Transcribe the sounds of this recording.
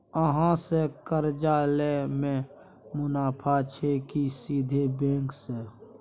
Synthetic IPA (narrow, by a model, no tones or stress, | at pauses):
əɦãsekəɾd͡ʒaːlemẽ | mʊnaːpʰat͡ʃʰekisiːd̪ʱebẽːŋkse